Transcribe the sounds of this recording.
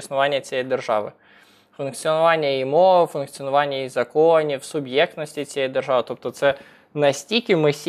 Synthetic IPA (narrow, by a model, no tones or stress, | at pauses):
snʊʋɑnʲːɐt͡sʲjɛjd̪erʒɑ̰ʋɪ̰ | fʊnkt͡ssʲiɔnʊʋɑnʲːɐimɔʋfʊnkt̪sʲiɔnʊʋɑnʲːɐizɐkɔnʲiwsʊbjɛk̚t̪nɔsʲtʲit͡sʲjɛjd̪erʒɑʋɨt̪ɔp̚t̪ɔt̪sɛ | nɐsʲtʲikʲɪmɪsʲ